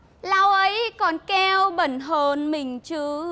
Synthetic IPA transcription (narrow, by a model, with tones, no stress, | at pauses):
laː˧wʔə˨˦jkɔ˨˩nkɛ˧wɓə˨˧˩nɦo˧˩nmï˨˩ŋ̟t͡ɕɨ˧˦